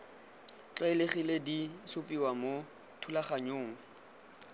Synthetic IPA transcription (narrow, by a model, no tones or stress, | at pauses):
t͡ɬʼaileχiledisʊpʼiwamo | tʰulaχaɲoːŋ̩